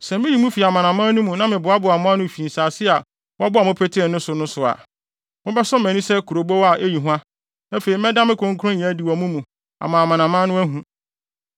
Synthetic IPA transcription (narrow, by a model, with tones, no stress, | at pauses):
sɛ˨mɪ̃˦ji˨mũ˦fi˨a˨mã˨nã˨mãː˦nũ˦mũ˨nã˦mɪ̃˨bʊ˨a˦bʊ˨a˨mʊ̃˦a˦nʊ̃˦˨fi˨n̩˨saː˨sɪ˦a˨ | wɔ˦bʊ˦a˨mʊ̃˦pʰɛ˦tʰɪ˦ɪ̃˨nʊ̃˦sʊ˨nʊ̃˦sʊ˨a̰˨ | mʊ̃˦bɛ˦sɔ˦mæ̃˨nĩ˦sɛ˦kʰu˨ɾo˨bo˦wa˨ʔe˦ji˨ɦʊ̃˦a˦ | æ˦fe˨ɾi˨˦ɛ˦dã˦mɪ̃˦kʰʊ̃˦ŋ̩˦kʰʊ˦ɾʊ̃˦ɲ̃˨˦di˨wɔ˨mũ˦mũ˨ | a̰˨mã˨a˨mã˨nã˨mã˦nʊ̃˦æ˦ɦũ˦˨